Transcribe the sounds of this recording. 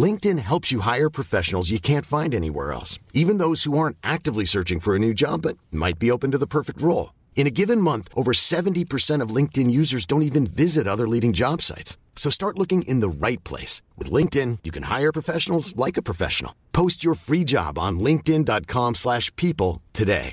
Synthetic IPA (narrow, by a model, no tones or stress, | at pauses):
lɪ̃ŋk̚tɨ̃nɦɛlˠpsjɨɦaɪə˞pʰɹ̥ɨfɛʃn̩l̩ˠzjɨkʰæ̃ntfãɪ̃ndɛnḭwɛ̰ɹɛ̰lˠsivɨ̃nðoʊz̥huɑɹ̃ntʔæk̚tɨvlisɜ˞t͡ʃɪ̃ŋfə˞ɨnʉd͡ʒɑ̰bʌt̚ma̰ɪt̚b̥ioʊpɨ̃n̩tɨðəpʰɜ˞fɨk̚t̚ɹoʊlˠ | ɨ̃ɾ̃ɨɡɪvɨ̃nmʌ̃nθʔoʊvə˞sɛṽn̩tipʰə˞sɛ̃ɾ̃ʌvlɪ̃ŋk̚tɨ̃njʉzə˞zdõʊ̃ntivɨ̃nvɪzɨɾʌðə˞liɾɪ̃ŋd͡ʒɑb̥sa̰ɪtsː | oʊstɑɹtˡlʊkɪ̃ŋʔɪ̰̃nðəɹaɪt̚pʰl̥ḛɪswɨ̰ðlɪ̃ŋk̚tɪ̃njɨkʰɨ̃nha̰ɪə˞pʰɹ̥əfɛʃn̩l̩ˠzlaɪkɨpʰɹ̥ɨfɛ̰ʃn̩l̩ˠpʰoʊst͡ʃə˞fɹid͡ʒɑ̰b̃n̩lɪ̃ŋk̚tɪ̃ndɑt̚kʰɑ̃mslæʃpʰipl̩ˠtʰɨdḛɪ